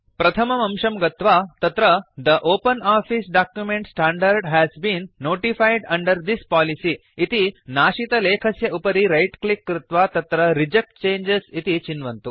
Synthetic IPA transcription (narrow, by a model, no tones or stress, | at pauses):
pɾɐt̪ʰɐmɐmɐmʃɐmɡɐt̪ʋaːt̪ɐt̪ɾɐd̪ɐʔoːpɐnaːfisɖaːkjumẽɳʈsʈãːɳɖɐɾɖɦɛzbĩːnːoːʈifajɖɐ̃ɳɖɐɾd̪ispaːlisiː | t̪inaːʃit̪ɐleːkʰɐsjɐʔupɐɾiɾɐjʈklikːɾɪt̪ʋaːt̪ɐt̪ɾɐɾid͡ʒek̚ʈ̚t͡ʃẽːnd͡ʒesit̪it͡ʃinʋɐnt̪u